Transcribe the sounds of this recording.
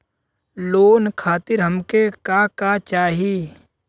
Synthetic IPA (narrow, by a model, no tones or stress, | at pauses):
loːnkʰaːt̪ɪɾɦɐmkekakat͡ʃaːɦi